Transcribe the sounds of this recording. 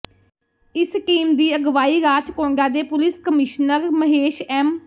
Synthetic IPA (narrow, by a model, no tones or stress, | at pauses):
ɪskiːmd̪iːəɡʋaːiːɾaːt͡ʃkõːɳɖaːd̪eːpʊlɪskəmɪʃnəɾməɦeːʃɛːm